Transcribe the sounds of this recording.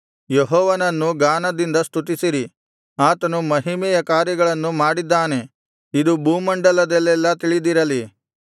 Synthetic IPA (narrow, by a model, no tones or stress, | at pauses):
jeɦɔːʋɐnɐnːuɡaːnɐd̪ind̪ɐst̪ut̪isiɾi | aːt̪ɐnumɐɦimɛjɐkaːɾjɐɡɐɭɐnːumaːɽid̪ːaːne̞ | id̪ubuːmɐɳɖɐlɐd̪ɛlːɛlːɐt̪iɭid̪iɾɐli